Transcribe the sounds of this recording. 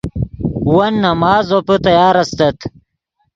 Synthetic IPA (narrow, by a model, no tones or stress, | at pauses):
wɐnːɐmaːzoput̪ɐjaːɾɐst̪ɐt̪